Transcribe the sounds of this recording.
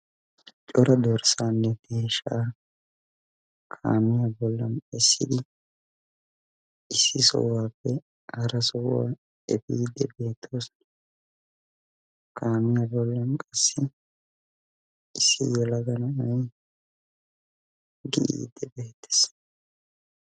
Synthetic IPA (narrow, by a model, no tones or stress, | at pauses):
t͡ʃʼɔɾɐd̪ɔɾsaːnːɛɡ̪eːʃaː | kʰa̰ːmɪjabɔlːɐnɛsːɪd̪ɪ | ɪsːɪsɔ̰waːpːɛ | hɐɾɐsɔwwa̰ː | ɛbiːd̪ːɛbe̞ːt̪ʰːoːsn | kʰaːmɪjabɔlːɐnkʼɐsːɪ | ɪsːɪ̰jɛlɐɡɐnɐɐj | ɡɪʔḭːd̪ːɛbe̞ːt̪ːɛ̥s